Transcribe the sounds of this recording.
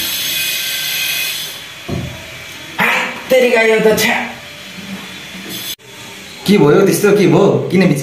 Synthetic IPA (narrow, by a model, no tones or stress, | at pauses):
at̪ːeɾikajʌt̪ʌt͡sʰa | kibʱojot̪est̪okibʱokinʌbit͡s